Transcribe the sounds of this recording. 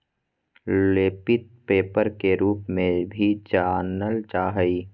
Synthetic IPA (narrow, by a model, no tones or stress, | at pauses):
leːpɪt̪̚peːpəɾkeɾuːpmẽbʱit͡ʃaːnəlt͡ʃaːɦəi